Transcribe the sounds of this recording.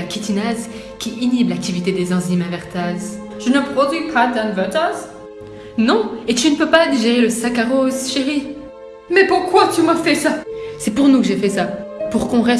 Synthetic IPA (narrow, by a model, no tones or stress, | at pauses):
akʲit̪inaz | kʲiʔiniblak̚t̪ivit̪ed̪ezɛ̃zimavɛʁt̪az | ʒənəpχɔd̪ipad̪ãnvɛt̪az | nɔ̃et̪ynəpøpad̪iʒeʁeləsakaʁozʃeʁi | mɛpuʁkwat̪ymafɛsasɛpuʁnukəʒefɛsapuʁkɔ̃ʁɛ